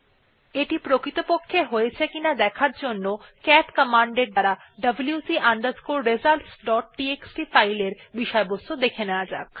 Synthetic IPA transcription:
eʈipɾokɾit̪opokʰːeɦojet͡ɕʰekinad̪ɛkʰaɾd͡ʑonːokɛʈkəmaɳɖeɾ̚d̪aɾa | ɖəbljusiʔaɳɖ̪aɾskulɾed͡ʑalʈsɖɔʈ̚ʈieksʈifajleɾbiʃɔebost̪od̪ekʰenead͡ʑak

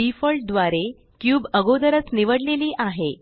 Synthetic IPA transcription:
ifəlʈ̚d̪ʋaɾe | kjuːbəɡod̪əɾət͡sniʋəɽleliːʔaɦe

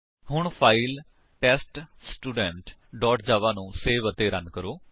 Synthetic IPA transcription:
hʊɳpʰaːiːl | ʈɛːsʈsʈuːɖɛɳʈɖɔːʈʰd͡ʒaːʋaːnũːseːʋət̪eːɾənkəɾoː

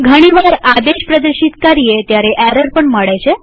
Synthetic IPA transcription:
ɡʱəɽ̃iʋaɾad̪eɕpɾəd̪əɾɕit̪kaɾijet̪jaɾeʔæɾəɾpəɳməɽajt͡ɕe

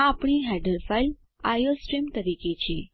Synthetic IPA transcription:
aapɳ̃iɦaɖəɾfajl | a̰josʈɾimt̪əɾiket͡ɕĩ

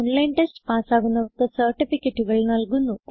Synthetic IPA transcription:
onlɐjnʈesʈpaːsaːɡunːɐʋɐkɐsɐɾʈifikeʈːiɡɐɭunɐlɡunːu

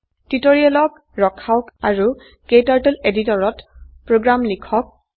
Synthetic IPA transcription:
titoɹiɛlɔk | ɹɔkʰaʊkaɹu | kejtaɹtɔleditɔɹɔtpɹoɡɹamlikʰɔk̚

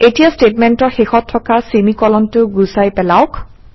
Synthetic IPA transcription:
etijastetmɛntɔɹxexɔtʰːɔkasemikɔlɔntʊɡusajpɛlaʊk

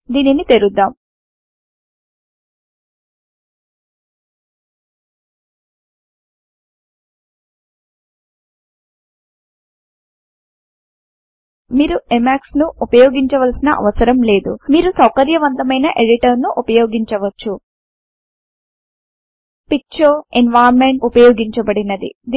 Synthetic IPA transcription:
d̪iːninit̪eɾud̪ːaːm | miːɾuemaːksnuupɐjoːɡiɲt͡ʃɐʋɐlsinɐ̰ʔɐ̰ʋɐsɐɾɐmle̞ːd̪umiːɾusɐwkɐɾjɐʋɐnt̪ɐmɐjnɐʔeɽiʈɐɾnuʔupɐjoːɡiɲt͡ʃɐʋɐt͡ʃːu | pik̚t͡ʃɐːenʋaːɾmeɳʈupɐjoːɡiɲt͡ʃɐbɐɽinɐd̪ḭd̪

